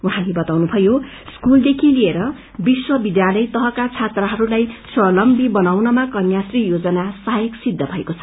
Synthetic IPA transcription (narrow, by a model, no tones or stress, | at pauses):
uɦãlebʌt̪awnubʱʌjo | skuld̪ekʰilieɾʌ | biswʌbid̪jalʌjt̪ʌɦʌkat͡sʰat̪rʌɦʌɾulajswʌlʌmbibʌnawnʌmakʌnjasrijod͡zʌnasʌjeksid̪ʱːʌbʱʌekot͡sʰʌ̥